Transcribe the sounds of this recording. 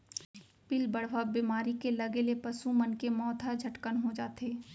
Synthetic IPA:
pɪlbəɽ̤ʋabiːmaːɾikelɐɡelepɐsumənkemɔːt̪ʰad͡ʒʱɐʈkənɦod͡ʒaːt̪eː

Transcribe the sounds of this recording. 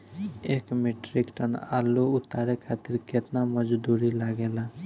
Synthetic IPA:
ekmeʈɾikʈəna̰luʊt̪aɾekʰat̪iɾket̪naməd͡ʒd̪uɾilaɡela

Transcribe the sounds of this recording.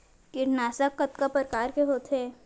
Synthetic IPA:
kɪɾnaːsakːɐt̪kapəɾkaːɾkeɦoːt̪ʰeː

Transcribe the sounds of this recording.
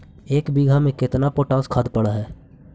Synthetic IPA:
eːkbiɡʱamẽkɪt̪napoːʈãːskʰaːd̪pəɽaɦɛː

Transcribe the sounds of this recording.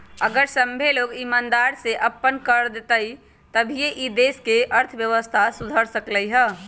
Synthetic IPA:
əɡəɾsəmbʱeloɡimaːnd̪aɾseʔəpːənkəɾd̪et̪əi | t̪əbʱieʔid̪eːskeʔəɾt̪ʰʋjəʋəst̪ʰasud̪ʱəɾsəkləiɦəː

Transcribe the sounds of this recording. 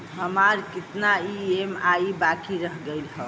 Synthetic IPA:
ɦəmaɾkit̪naiemajibakiɾəɦɡəjlhə

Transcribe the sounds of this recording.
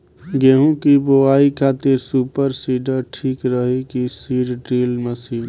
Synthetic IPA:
ɡeːɦũkiboaːikʰaːt̪eɾsuːpəɾsiːɖəɾʈʰiːkɾəɦekisiːɾɖɾeːlməsiːn

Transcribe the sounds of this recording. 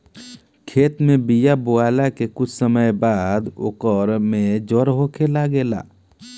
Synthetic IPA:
kʰeːt̪mẽbijaboaːlakekʊt͡ʃʰsəməjbaːd̪ʊ̰kəɾmẽd͡ʒoɾɦokʰelaɡeːla̰ː

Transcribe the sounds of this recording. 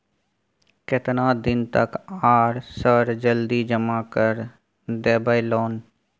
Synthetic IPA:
kɪt̪nad̪ɪnt̪əkaːɾsəɾd͡ʒəld̪id͡ʒəmakəɾ | d̪eːbajloːn

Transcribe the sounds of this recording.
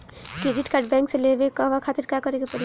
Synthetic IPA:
kɾid͡ʒiʈkaɾɖbɛ̃ŋkselebekɔʋakʰat̪iɾkakəɾekepəɾi

